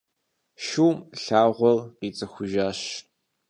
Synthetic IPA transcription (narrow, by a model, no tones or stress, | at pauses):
ʃuːmɬaːʁʷɔlqiːt͡sʼɐxʷʊʒaːɕ